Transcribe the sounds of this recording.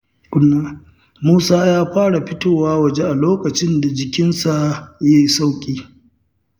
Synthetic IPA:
kʷʼʊ˦nːaː˦ | muː˦saː˦jaː˦ɸaː˦ɽa˨ɸɪ˦toː˦˨waː˦wɐ˨d͡ʒe˦ʔa˨loː˦kɐ˨t͡ʃɪ˦nda˨d͡ʒɪ˨kʲɪ˦nsa˦˨je˦jsa˦wkʲʼiː˦

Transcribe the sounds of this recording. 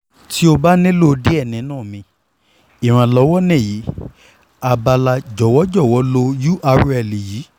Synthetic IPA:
ti˦o˧ba˦nĩ˦lo˦˧de˦ɛ˦˨nĩ˨˦nãː˦˨mĩ˧ | i˦˨w̃ã˧lɔ˨˧˦wɔ˦nɛ̃˦˨ji˨˦ | a˧ba˧la˧d͡ʒɔ˨wɔ˦d͡ʒɔ˦˨wɔ˨˦lo˧ju˦ʔa˧ɾɛ˨li˨ji˨˦

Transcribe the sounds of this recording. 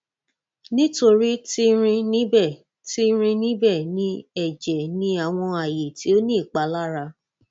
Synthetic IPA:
nĩ˦to˧ɾi˦ti˦ɾ̃ĩ˧nĩ˦bɛ˦˨ | ti˦ɾ̃ĩ˧nĩ˦bɛ˦˨nĩ˨˦ɛ˦˨d͡ʒɛ˨nĩ˦a˦˨w̃ɔ̃˧a˨je˨ti˨˦o˦nĩ˦˨k͡pa˨˦la˦ɾa˧

